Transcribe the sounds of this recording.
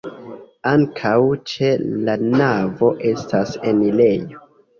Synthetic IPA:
aŋkʰawt͡ʃelanavo̞ʔe̞stase̞nile̞jo̞

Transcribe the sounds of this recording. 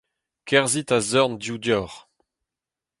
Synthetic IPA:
kʰɛʁzit̪azɔʁndjud̪jɔʁ

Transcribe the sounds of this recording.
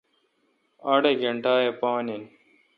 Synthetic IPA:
ɐɽeɡɐɳʈaːjepaːnin

